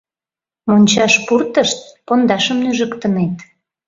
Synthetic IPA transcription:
monʲt͡ɕɑʃpurt̪əʃt̪̚pond̪ɑʃəmnyʒəkt̪ənet̪

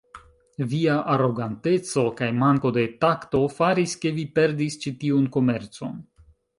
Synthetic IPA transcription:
viaʔaɾo̞ɡante̞t͡so̞kajmaŋko̞de̞takto̞faɾiske̞vipe̞ɾdist͡ʃitiunko̞me̞ɾt͡so̞n

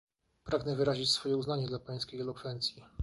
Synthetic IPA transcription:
pɾaɡnɛvɘɾaʑit͡ɕsfɔjɛuznaɲɛd̪lapaj̃skʲejɛlɔkfɛnt̪sʲji

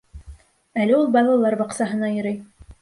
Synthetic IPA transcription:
ælɘulˠbɑlˠɑlˠːɑɾbɑqsɑɦɤ̆nɑjɤ̆ɾɤj

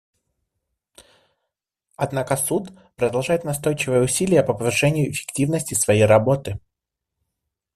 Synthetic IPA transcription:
ɐd̪nakəsut̪ | pɾəd̪ɐlˠʐajɪt̪nɐst̪o̞jt͡ɕɪvəjəʊsʲilʲɪjəpəpəvɨʂɛnʲɪjʊɪfʲɪ̥ktʲivnəsʲtʲɪsvɐjejɾɐbo̞t̪ɨ

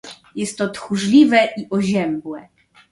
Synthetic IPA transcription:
jɛst̪ːɔt̪xuʐlʲivɛʔiʔɔʑɛmbwɛ

